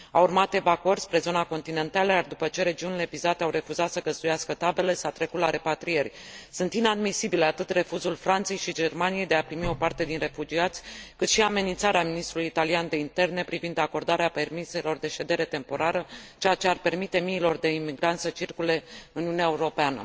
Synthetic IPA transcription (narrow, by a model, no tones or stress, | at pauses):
a̰wurmat̪e̞vakorspɾe̞zo̞nako̞nt̪ine̞nt̪aləjard̪upət͡ʃe̞ɾe̞d͡ʒiunile̞vizat̪eawɾe̞fuzat̪səɡəzd̪ujaskət̪abe̞le̞sat̪ɾe̞kut̪laɾe̞pat̪ɾije̞rʲsunt̪inad̪misibile̞at̪ɨt̪re̞fuzulfɾant̪se̞jʃid͡ʒe̞rmanije̞jd̪eapɾimio̞part̪e̞d̪inre̞fud͡ʒiat̪sʲkɨt̪ʃiame̞nint̪saɾeaminist̪ɾulujit̪aliand̪e̞int̪e̞rne̞pɾivind̪ako̞rd̪aɾeape̞rmise̞lo̞rd̪e̞ʃe̞d̪e̞ɾe̞t̪e̞mpo̞ɾaɾət͡ʃejat͡ʃe̞arpe̞rmit̪e̞miːlo̞rd̪e̞imiɡɾant̪sət͡ʃirkule̞ɨniuneaeuɾo̞peanə̰